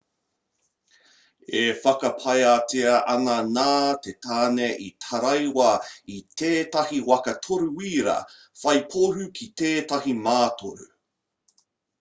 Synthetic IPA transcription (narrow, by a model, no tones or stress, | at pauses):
efɐkɐpʰɐjateɐʔɐnɐnaːtetaːneʔitʰɐɾɐjwɐitʰeːtɐhiwɐkɐtʰoɾuwiːɾɐ̰ | fɐjpʰohʉkʰiteːtɐɦimaːtʰoɾʉ̰